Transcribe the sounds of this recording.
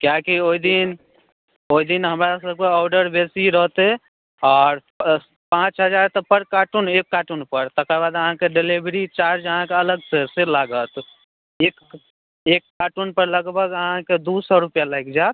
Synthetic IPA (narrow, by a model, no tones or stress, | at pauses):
kjakioid̪in | oid̪inɦəmɾasəb̚keɔʊɖəɾbesiɾəɦt̪e | ɔːɾ | pãt͡ʃɦəd͡ʒaɾt̪ɔpəɾkaʈunekːaʈunpəɾt̪əkəɾbad̪əɦãkeɖelibɾit͡ʃaɾd͡ʒəɦãkeələɡseselaɡət̪ | ek | ekːaʈunpəɾləɡbʱəɡəɦãked̪usɔɾupjaləjkd͡ʒat̪̚